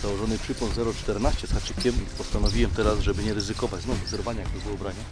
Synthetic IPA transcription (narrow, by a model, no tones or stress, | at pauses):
z̥awɔʐɔnɘpʂɘpwɔ̃nzɛɾɔt͡ʂt̪ɛɾnaɕt͡ɕɛt̪xat͡ʂɘkʲɛmpɔst̪anɔvʲiwɛmt̪ɛɾazʐɛbɘɲɛɾɘzɘkɔvad͡ʑznɔvzɛɾvaɲajaɡd̪ɔvɨɔbɾaɲa